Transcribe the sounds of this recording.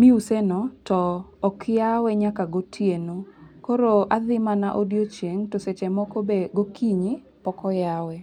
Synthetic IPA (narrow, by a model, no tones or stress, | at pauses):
miusenɔtɔːkjawɛɲakaɡotʰjenokoɾoaðɪmanaʔodjot͡ʃeŋtoset͡ʃɛmɔkobeɡokʰiɲɪ | pɔkɔjawɛ